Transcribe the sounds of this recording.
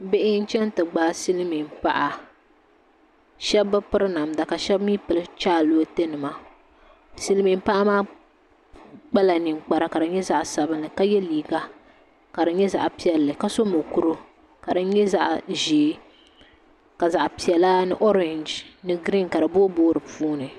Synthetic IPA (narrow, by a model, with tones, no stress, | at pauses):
be˦ʔɪ˦n̩˦t͡ʃɛ˦n˦tɨ˨ɡ͡baː˦si˦lmi˨m˨pa˦ʔa˨ | ʃɛ˦bːɨ˦pɨ˦ɾɨ˦na˨mda˨ka˨ʃɛ˦bmiː˦pɨ˨lɨ˦t͡ʃaː˦loː˦te˦nɨ˨ma˨ | si˦lmi˨m˦pa˦ʔa˦maː˦ | k͡pa˦la˨nɨ˨mk͡pa˨ɾa˦ka˨dɨ˨ɲɛ˦za˦ʔsa˨bɨ˦nːɨ˨ka˦jɛ˦liː˨ɡa˦ | ka˨ɾɨ˨˦ɲɛ˦za̰˨ʔpi˦ɛ˨lːɨ˨ka˦so˦mo˨ku˦ɾɨ˦ | ka˨dɨ˦ɲɛ˦za̰˦ʔʒiː˨˦ | ka˨za˨ʔpi˨ɛ˨la˦nɨ˦ʔo˦ɾɛ˨nd͡ʒnɨ˦ɡɾi˦nka˨ɾɨ˨boː˦boː˦ɾɨ˨puː˦nɨ˨